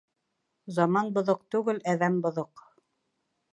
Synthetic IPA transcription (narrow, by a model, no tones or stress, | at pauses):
zɑmɑnbŏðoq̚t̪ʉɡɘlæðæmbŏðoq